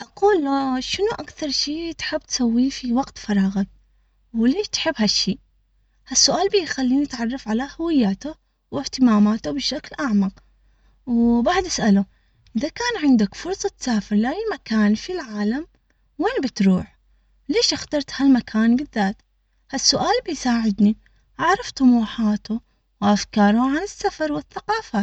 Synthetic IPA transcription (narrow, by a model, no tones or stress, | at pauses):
ʔaquːlʃɪnuʔakθɑɾˤʃiːt̪ħɪbːt̪sawːiːfiwɑɡt̪fɑɾˤɑːɣak | wleːʃt̪ħɪbːhaʃːiː | hasːʊʔaːlbijxalːiːniɪt̪ʕɑrˤːɑfʕalahʊwɪjːaːt̪ʊ | wɪht̪ɪmaːmaːt̪ubɪʃaklʔaʕmaq | wbaʕd̪ʔasʔalu | ʔɪðakaːnʕɪnd̪akfʊɾsˤɑt̪saːfɪɾlajlmakaːnfilʕaːlam | weːnbɪt̪ɾuːħ | leːʃʔɪxt̪ɑɾˤt̪halmakʰaːnbɪðːaːt̪ | hasːʊʔaːlbɪjsaːʕɪd̪ni | ʔaʕɾˤɑft̪ˤʊmuːħaːt̪ʊ | wʔafkɑːɾˤʊʕanɪsːafɑɾˤwɪθːaqɑːfa